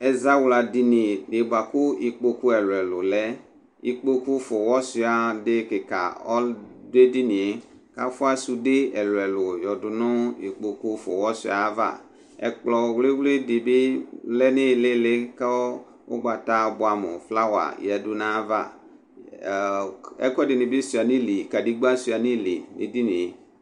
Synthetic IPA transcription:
ɛ˨za˦wla˨di˨ni˨dɪ˨ba˨kʊ˦i˨k͡po˨ku˦ɛ˨lɛ˨lʊ˨lɛ˦ | i˨k͡po˦ku˦fɔ˨wɔ˦si˨˦a˨dɪ˦kɪ˨ka̰˨ɔ˦de˦di˦ni˨e˨ | ka˦fʊ˦a˦su˨de˦ɛ˨lɛ˨lʊ˨jɔ˨dʊ˨nʊ˦i˨k͡po˨ku˦fʊ̰˨wɔ˦sḭ˦˨a˨˦va̰˦˨ | ɛ̰˨k͡plɔ˨we˦wle˦dɪ˨bɪ˦lɛ˦nɪ˦˨lɪ˦lɪ˦ka˦ | ʊ̰˦ɡ͡ba˨ta˦bʊ˨a˨mʊ˨fla˦wa̰˨ja˨dʊ˦nã˦va̰˦˨ | ɛ̰˦kɔ˦dɪ˨nɪ̃˨bɪ˦su˨a˨nĩ˦li˨ka˨di˦ɡ͡ba˦si˨a˨nĩ˦˨li˨ḛ˨di˦nĩ˨e˨

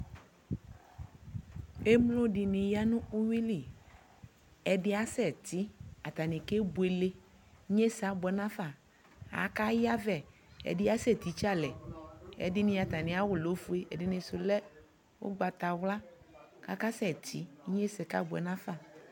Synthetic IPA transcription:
e˦mlo˦dɪ˨nɪ̃˨ja˦nʊ̃˦ʊ˦wi˦li˨ | ɛ˨dɪ˦a˦sɛ˨t̪i˦a˨t̪a˨nɪ̃˨ke˦bu˨e˨le˦ | ɲe˦sa˦bɛ˨nã˦fa˨ | a̰˨˦ka˦ja˦vɛ˨ | ɛ̰˨dɪ˦a˦sɛ˦˨t̪i˨t͡ʃa˦lɛ˨ɛ̰˨dɪ˦nɪ̃˦˨a˨t̪a˨nɪ̃˨a˦wʊ˨lo˨˦fu˦e˦ʔɛ̰˨dɪ˨nɪ̃˨sʊ˨lɛ˦ | wo̰˦ɡ͡ba˨t̪a˨wla˦ | ka˦ka˦sɛ˨t̪ʰi˦ɲe˦sɛ˨ka̰˦bʊ˨ɛ̰˨nã˦fa˦˨

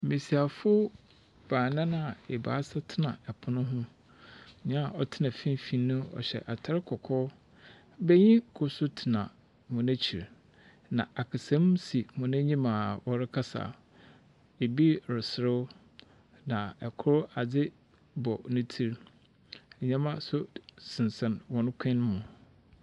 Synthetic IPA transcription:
mĩ˨si˨a˨fʊ˦ | b̥aː˨nã˦nã˦˨e˨ba̰ː˨˦sa˦tʰɪ˦nã̰˨ɛ˨pʰʊ˨nʊ̃˦ɦʊ̃˦˨ | ɲã˦a˨ʔɔ˦tʰɪ˦nã˨fĩ˦n˦fĩ˦nːʊ̃˦ɔ̰˨ɕɛ̰˨ʔa˨tʰa˦ɾɪ˦kʰɔ˨kʰɔ˦ | bɛ˦ɲĩ˦kʰʊ˦sʊ˦tʰɪ˨nã˨ | mʊ̃˨næ̃˦t͡ɕʰi˨ɾ | nã˨ʔa˨kʰa˨sã˨˦msi˨mʊ̃˨næ̃˦ɲĩ˦mã˨wɔ˨ɾɪ˦kʰa˦sa̰˨ | e˨bi˦ɾɪ˨sɪ˨ɾɪ˦w | nã˨ɛ˨kʰʊ˦ɾʊ˦a˨d͡zɪ˦ | bɔ˨nʊ̃˦tʰi˦ɾ | ɲã˦mã˦sʊ˦sɪ̃˨n˨sɛ̃˨nwɔ̃˨nʊ̃˦kʰɛ̃˦n˦mʊ̃˨

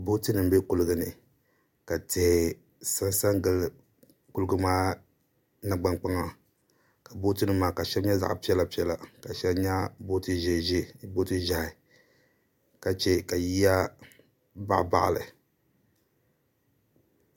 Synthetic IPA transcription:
bo˦tɨ˦nɨ˨m̩˦be˦ku˦lɨ˦ɡɨ˨nɨ˨ | ka˨tɨ˨hɪ˨ | sa˦n˦sa˦ŋɡɨ˦l | ku˦lɨ˦ɡɨ˦maː˦ | na˨ɡ͡ba˦ŋk͡pa˦ŋa˨ | ka˨bo˦tɨ˦nɨ˨mːaː˨ka˨ʃɛ˦mɲa˦za̰˨ʔpi˦ɛ˦la˨pi˦ɛ˦la˨ka˨ʃɛ˦mɲa˦bo˦tɨ˦ʒɛ˨ʒe˦bo˦tɨ˦ʒa˨hɪ˨ | ka˨t͡ʃɛ˦ka˨ji˦a˦ | ba̰˦˨ʔba̰˦˨ʔa̰˨lɨ̰˨

